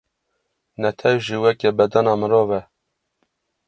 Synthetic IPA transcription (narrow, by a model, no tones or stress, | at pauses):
nɛt̪ʰɛwʒiːwɛkɛbɛd̪ɑnɑːmɨɾoːvɛ